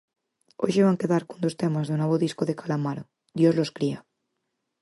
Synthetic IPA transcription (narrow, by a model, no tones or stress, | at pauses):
o̰ʒeβaŋkeðaɾkond̪ost̪emazðunoβoðiskoðekalamaɾo | d̪jozloskɾia